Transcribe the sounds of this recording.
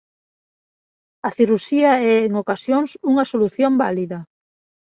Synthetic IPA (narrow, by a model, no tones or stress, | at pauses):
ɐθiɾuʃiɐɛeŋokasjoŋsuŋɐsoluθjombaliðɐ